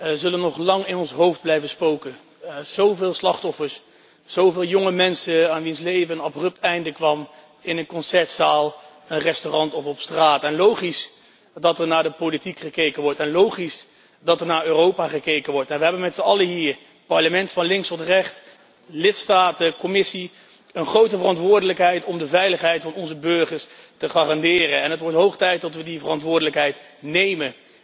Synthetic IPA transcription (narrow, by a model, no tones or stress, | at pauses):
əzɵlənːɔχlɑŋɪnɔnsɦowfd̚blɛjvənspowkən | z̥owveːlˠslɑχtɔfəɹs | z̥owvɪːlˠjɔŋəmɛnsəaːnʋinslejvənɑbrɵp̚tɛjndəkʋɑm | ɪnənkɔnsɛɹtsaːlˠ | ənrɛstorɑntɔfɔpstraːtɛnlowχis | dɑtəɹnaːɹdəpolitikχəkejkənʋɔɹtɛnlowχis | dɑtəɹnaːɹøːrowpaːχəkejkənʋɔɹtɛnʋəɦɛbənmɛtsəɑləɦiːɹ | pɑɹləmɛntfɑnlɪŋkstɔtrɛχt | lɪtstaːtəkɔmɪsi | ənχrowtəvərɑntʋʊːɹdələkɦɛjtɔmdəvɛjləχɦɛjtfɑnɔnzəbɵɹχəɹstəχaːrɑndɪːrənɛnɦətʋɔɹtɦowχtɛjt̚dɑtʋədivərɑntʋʊːɹdələkɦɛjt | nejmə